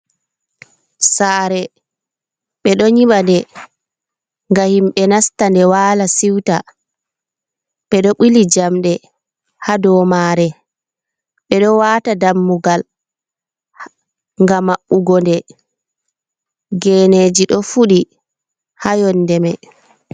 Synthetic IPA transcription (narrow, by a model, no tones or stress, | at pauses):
saːɾɛ | ɓɛɗɔɲiɓandɛ | ŋɡahimɓɛnastandɛwaːlasiwta | ɓɛɗɔɓilid͡ʒamɗɛ | hadɔːmaɾɛ | ɓɛɗɔwaːtadamːuɡal | ŋɡamaʔuɡɔndɛ | ɡɛːned͡ʒiɗɔfuɗi | hajɔnːdɛmɛ